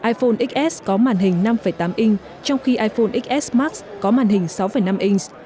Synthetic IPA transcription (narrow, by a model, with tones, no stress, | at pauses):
ʔaː˧jfo˧nʔi˦˥k̚ʔɛ˦˥skɔ˨˦maː˨˩nɦï˨˩ŋ̟na˧mfə˧˩jt̪aː˨˦mʔi˧ŋ | t͡ɕɔ˧wŋ͡mxi˧ʔaː˧jfo˧nʔi˦˥k̚ʔɛ˦˥smaː˦˥k̚skɔ˨˦maː˨˩nɦï˨˩ŋ̟sa˨˦wfə˧˩jna˧mʔi˧ŋs